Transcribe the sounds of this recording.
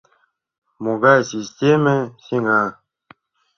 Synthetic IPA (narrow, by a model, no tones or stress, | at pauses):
moɡasʲisʲtʲeməsʲiŋɡa